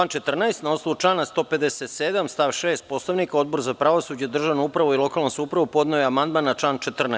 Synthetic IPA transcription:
aːnt͡ʃet̪r̩naest̪naoslˠoʋut͡ʃlaːnast̪o̞ːpe̞d̪eset̪sed̪amst̪aːʋʃeːst̪̚po̞slaʋnikao̞d̪̚bo̞ɾzapɾaʋosuːd͡ʑed̪r̩ʒaʋnoupɾaʋoilˠo̞kalnosaupɾaʋupo̞d̪naojeamand̪maːnːat͡ʃaːnt͡ʃet̪r̩na

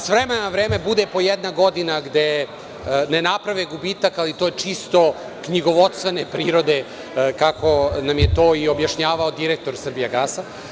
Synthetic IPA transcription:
sʋɾemenoʋɾeːme̞bud̪e̞po̞jed̪naɡo̞d̪inaɡd̪e̞ | nenapɾaʋeɡubiːt̪akalit̪ojet͡ʂist̪o̞ | kɲiɡo̞ʋot̪st̪ʋe̞nepɾiːɾo̞d̪e̞ | kako̞namjet̪o̞ːio̞bjaʃɲaːʋaod̪iɾek̚t̪o̞ɾsr̩bijeɡasa

